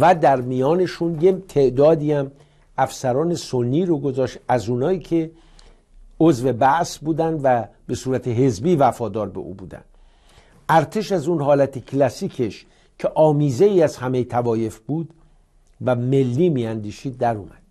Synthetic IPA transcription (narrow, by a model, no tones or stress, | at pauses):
væd̪æɾmijɒːne̞ʃunjet̪ʰe̞ʔd̪ɒːd̪iːæm | æfsæɾɒːne̞so̞nːiːɾoɡo̞zɒːʃt̪æzuːnɒːiːcʰe̞ | ozve̞bæʔsbuːd̪ænd̪væbe̞suːɾæt̪ʰe̞ɦe̞zbiːvæfɒːd̪ɒːɾbe̞̰ʔṵːbuːd̪æ̰nd̪ | æɾt̪ʰe̞ʃæzuːnhɒːlæt̪ʰecʰlæsiːcʰe̞ʃ | cʰe̞ʔɒːmiːze̞iːæz̥hæme̞jt̪ʰævɒːje̞fb̥uːd̪ | væme̞lːiːmiːænd̪iːʃiːd̪̚ːæɾuːmæ̰d̪̥